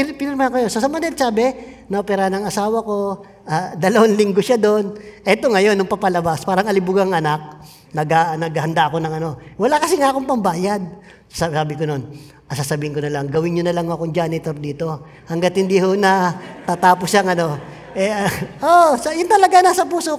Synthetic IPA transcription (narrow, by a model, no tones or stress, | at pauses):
pɪnɪnmankojonsɐsɐmɐnɛlt͡ʃaːbɛnɐʔopɛɾahanɐŋɐsaːwɐko̞ | ʔad̪ɐlɐwanlɪŋɡoʃad̪o̞nʔɛt̪o̞ŋɐjo̞nːʊŋpɐpɐlɐbaspaːɾɐŋɐlɪbʊɡɐŋʔɐnak̚ | nɐɡanɐɡɐhɐnd̪aʔɐko̞nɐŋɐno̞wɐlakɐsɪŋaʔɐkoŋpɐmbaːjad̪̚ | sosasaːbɪkono̞n | ʔɐsasɐbiːhɪŋkonɐlaŋɡɐwɪnɲonɐlaŋːoɐkoŋd͡ʒanɪt̪o̞ɾd̪iːt̪o̞ | hɐŋɡat̪̚hɪnd̪iho̞nɐt̪aːt̪aːposjaŋɐno̞ | ʔɛʔosɐjʊnt̪ɐlɐɡanaːsɐpuːsok